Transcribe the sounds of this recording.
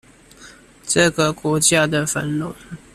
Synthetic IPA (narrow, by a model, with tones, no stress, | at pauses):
ʈ͡ʂə˥˨ɡə˨kwɔ˧˥t͡ɕja˥˧d̪ə˨fə̰˨˦nlʊ˨˦ŋ